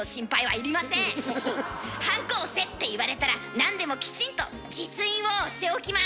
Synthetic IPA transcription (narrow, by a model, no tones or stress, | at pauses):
oɕĩmpaiβa̰iɾʲimasẽ | hãŋko̞ːse̞t̪ːe̞iβaɾe̞t̪aɾanãnd̪e̞mo̞kʲi̥t͡ɕĩnt̪o̞ | d͡ʑit͡sɨĩɰ̃o̞ɕi̥t̪e̞okʲima